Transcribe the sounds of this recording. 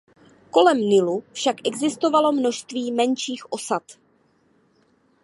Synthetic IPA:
ko̞lɛmnɪlufʃakʔɛɡzɪst̪o̞valo̞mno̞ʃst̪viːmɛnʃiːxʔo̞sat̪

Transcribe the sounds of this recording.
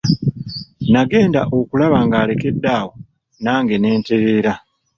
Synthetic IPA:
naɡe̞ːndaʔo̞kulaβaːŋɡaːle̞ke̞dːaːwo | naːŋɡe̞ne̞ːnte̞ɾe̞ːɾa

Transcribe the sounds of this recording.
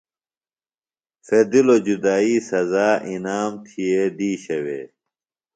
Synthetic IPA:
fed̪ilod͡ʑud̪aːiːsɐzaːʔinaːmt̪ʰijeɖiːɕɐwḛː

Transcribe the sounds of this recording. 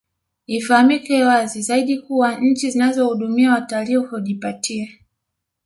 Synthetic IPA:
ifahamikɛwazizaiɗikuwaɲ̩t͡ʃizinazɔhuɗumiawatalihuhuʄipatʰia

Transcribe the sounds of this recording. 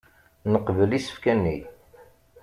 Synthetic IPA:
nəqvəlisə̥fkænːi

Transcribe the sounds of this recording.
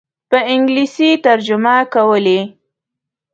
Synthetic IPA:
pəɪŋɡlisit̪aɾd͡ʒʊmakawəle

